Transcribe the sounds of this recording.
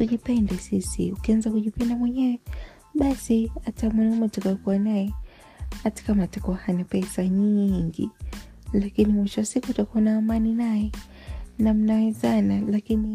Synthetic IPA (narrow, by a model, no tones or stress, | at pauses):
tuʄipɛndɛsisḭukianzakuʄipɛndamwɛɲɛwɛ | ɓasiatamwɛnumatakajɔkuwanajɛ | hatḁkamaːtakuwahanapɛsaɲiŋɡḭ | lakinimwiʃɔasikuːtakuanaːmaninajɛ | nam̩naɛzanalakini